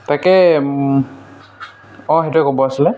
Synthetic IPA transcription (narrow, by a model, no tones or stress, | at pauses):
takɛ | ɔxetuɛkobɔasilɛ